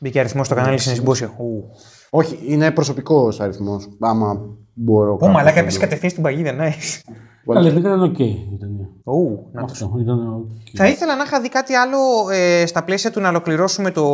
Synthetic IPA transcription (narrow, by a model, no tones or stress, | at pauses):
biceɐɾiθmo̞st̪o̞kɐnɐlsinesibosiɐo | o̞çiine̞pɾoso̞piko̞sɐɾiθmo̞sɐmɐ | bo̞ɾokomɐlɐkɐepeskɐt̪efθinst̪ibɐʝiðenɐs | ɐɐleikɐt̪ɐnoceiit̪ɐneonɐɐft̪oit̪ɐnoθɐiθe̞lɐnɐxɐðikɐt̪iɐlo̞est̪ɐple̞siɐt̪unɐolo̞kliɾo̞sume̞t̪o̞